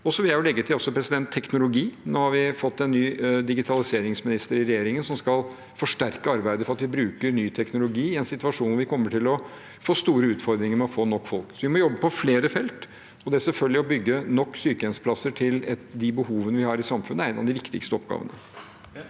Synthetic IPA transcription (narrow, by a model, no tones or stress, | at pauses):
ɔsɔʋɪljæɪjʊlɛɡːət̪ʰɪlɔsɔpʰɾɛsɪd̪ɛnt̪ʰːɛknʊlʊɡiːnoːhɑɾʋɪfɔt̪ːɛnːyːd̪ɪɡɪt̪ʰɑlɪseːɾɪŋsmɪnɪst̪əɾɪɾɛjeːɾɪŋənsɔmskɑlˠ | fɔʂʈæɾkəɑɾbæɪd̪əfɔɾɑt̪ʋɪbɾʉːkəɾnyːt̪ʰɛknʊlʊɡiːɪɛnsɪt̪ʉʋɑʂuːnʋɪkʰɔmːəʈʰɪlɔ | foːst̪uːɾəʉːt̪fɔɾd̪ɾɪŋəɾmɛɔfoːnɔkːfɔlksɔʋɪmɔjɔbːəpɔfleːɾəfɛlt̪ | ɔd̪ɛæsɛlfœld̪lɪɔbʏɡːənɔkːsyːkəɛnspʰlɑsːəʈʰɪlɛt̪d̪ɪbəhuːʋənəʋɪhɑɾɪsɑmfʉnəæɪnɑ̰ʋd̪ɪʋɪkt̪ɪ̰kst̪əɔpɡɑ̰ːʋə̰nə